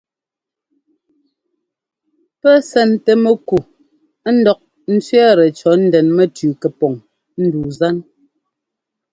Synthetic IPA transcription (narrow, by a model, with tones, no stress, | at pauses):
pɛ˦sɛ˦˨n˨tɛ˦mɛ˦ku˨˦ | n̩˦dɔ˨k̚ | n̩˦t͡sɥɛ˦ɾɛ˨t͡ʃɔ˨˦n̩˦dɛ˨nmɛ˦tʉː˨kɛ˨pɔ˨ŋ | n̩˦duː˨za˦n